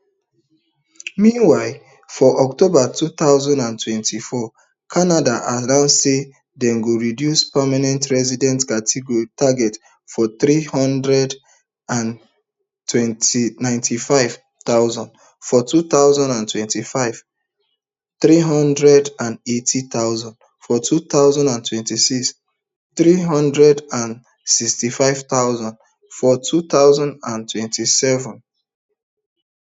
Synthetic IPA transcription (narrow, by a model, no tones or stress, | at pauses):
mĩnwaɪ | fɔʔɔktobatut̪aʊzɔ̃ndãntwɛ̃ntʰifɔ | kʰanadaʔadãʊnse | dɛ̃nɡoɹidjuspamanɛ̃ntɹɛzidɛ̃ntkatʰeɡɔitʰaɡɛt | fɔθɹihɔ̃ndɹɛd | ãn | twɛ̃ntinãɪ̃ntʰifaɪv̥ | t̪aʊzãnd | fɔtuθaʊzãndãntʰwɛ̃ntifaɪv̥ | θɹiɦʌ̃ndɹɛdãnetʰit̪aʊzãnd | fɔtʰutaʊzãndãntʰwɛ̃ntisiks | θɹiɦʌ̃ndɹɛdãn | sikstifaɪv̥t̪aʊzãnd | fɔtʰut̪aʊzãndãntʰwɛ̃ntisɛvə̃n